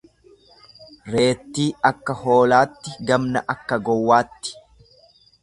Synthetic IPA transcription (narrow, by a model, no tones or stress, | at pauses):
ɾe̞ːt̪ːiːɐkːɐho̞ːlaːt̪ːɪɡɐmnɐ̰ʔɐkːɐɡɔwːaːt̪ːɪ̥